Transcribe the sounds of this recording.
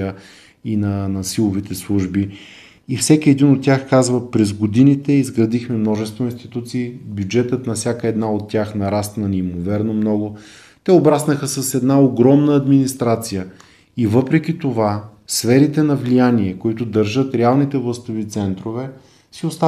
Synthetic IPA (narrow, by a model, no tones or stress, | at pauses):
ə | inɐnɐsilˠovit̪ɛslˠuʒbi | ifsɛkiɛd̪inot̪ːʲjaxkazvəpɾɛzɡod̪init̪ɛizɡɾɐd̪ixmɛmnɔʒɛst̪voĩnst̪it̪ut̪siːbjud͡ʒɛt̪ət̪nɐfsʲjakəɛd̪naot̪ːʲjaxnɐɾast̪nɐnimovɛɾnomnɔɡʊ | t̪ɛobɾasnəxəsəsɛd̪naoɡɾɔmnəɐd̪minist̪ɾat̪sijə | ivɤpɾɛkʲit̪ova | sfɛɾit̪ɛnɐvlijaniɛkoit̪ʊd̪əɾʒɤt̪ɾɛalˠnit̪ɛvlˠəst̪ovit̪sɛnt̪ɾovɛ | siost̪a